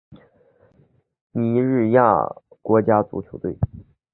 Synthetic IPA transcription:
ni˧˥ɻ̩˥˧ja̰˥˩kwɔ˧˥t͡ɕja˥t͡sṵ˧˥t͡ɕʰjo˧˥ʊt̪we˥˩ɪ

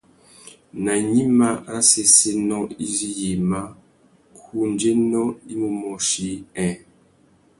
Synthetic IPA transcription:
na˨ɲi˦ma˦a˦se˦se˦nɔ˦i˦zi˦je˨ma˦ | kʰu˦˨n˦d͡ʒe˦nɔ˦i˦mu˦mɔ˨ʃi˦ɛ̃˨

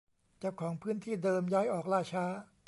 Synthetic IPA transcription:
t͡ɕaː˨˩kʰːɔː˩˦ŋpʰɯː˦˥nt̪ʰiː˥˩dɤː˧mjaː˦˥jʔɔː˨˩k̚ɾaː˥˩t͡ɕʰaː˦˥

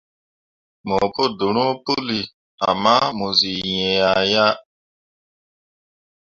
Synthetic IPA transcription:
mo˨ko˦du˨ɾ̃ũ˦pu˦li˨ | a̰˨mã˦mo˨zi˨jɛ̃˨a˨ja˦

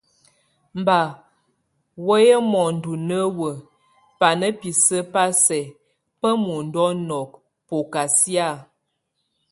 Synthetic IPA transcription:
m̩˨ba˨ | wə˦jə˦mɔ˨n̩˨du˨nə˦wə˨ | pa˨nə˦pi˨sə˦pa˦sɛ˨ | pə˦mu˨n̩˦dɔ˦nɔ˨k̚ | po˨ka˨sja˦˨

